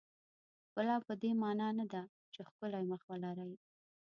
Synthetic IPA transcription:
bəlɑpəd̪emɑnɑnad̪a | t͡ʃexkəlajməxwalaɾaj

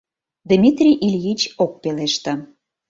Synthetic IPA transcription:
d̪mʲit̪rʲijʔilʲjit͡ɕok̚peleʃt̪ə̆

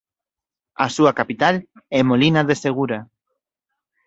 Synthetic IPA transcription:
asuakapit̪alɛmolinaðeseɣ̞uɾa

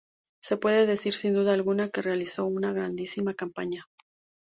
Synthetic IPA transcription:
se̞pwe̞ðe̞ðe̞siɾsind̪uðaːlɣunake̞realiso̞unaɣɾand̪isimakampaɲa

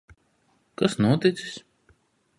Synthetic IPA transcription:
kasnuɔt̪ɪt̪si̥sʲ

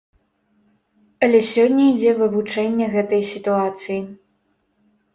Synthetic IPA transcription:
ɐlʲɛsʲɔnʲːɐid͡zʲɛvɨvut͡ʂɛnʲːɐɣɛt̪ɐjsʲit̪uat̪sɨji

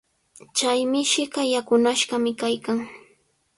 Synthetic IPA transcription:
t͡ʃajmɪʃɪɢɑjakʊnaʃɢɑmɪkajkaŋ

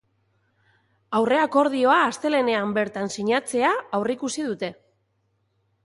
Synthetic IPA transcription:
awre̞ako̞ɾð̞io̞aːst̪e̞le̞ne̞ambe̞ɾt̪ansiɲat͡se̞aawrikusið̞ut̪e̞

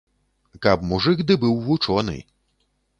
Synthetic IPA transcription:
kabmuʐɨxd̪ɨbɨwːut͡ʂɔnɨ̰

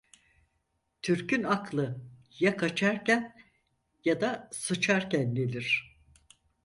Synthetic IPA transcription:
t̪ʰyɾcynaklˠɯ | jakʰat͡ʃʰaɾcæn | jad̪asɯt͡ʃʰaɾcænlʲelʲiɾ̝̥

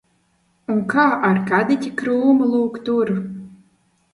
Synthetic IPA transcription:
unkʰaːʔarkad̪ɨt̪ʲikɾuːmɨlˠuːkt̪uɾ

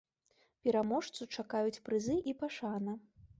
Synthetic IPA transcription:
pʲɛɾamɔʂt̪sut͡ʂakajut͡sʲpɾɨzɨʔipaʂanɐ

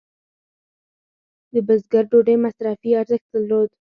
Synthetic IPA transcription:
d̪əbəzɡaɾɖoɖejmasɾafiaɾzəxt̪d̪əlːod̪

